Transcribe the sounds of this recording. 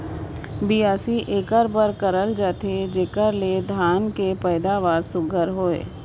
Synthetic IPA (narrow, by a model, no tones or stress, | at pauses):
biaːsiʔeːkəɾbəɾkəɾəld͡ʒaːt̪ed͡ʒeːkəɾled̪ʱjaːnkepɛːd̪aːʋaːɾsʊɡʱəɾɦoːḛː